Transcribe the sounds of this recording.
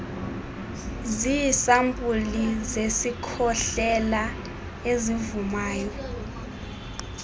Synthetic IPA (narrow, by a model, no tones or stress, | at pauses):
zisampʼulizesikʰɔɬɛla | ezivumaːjɔ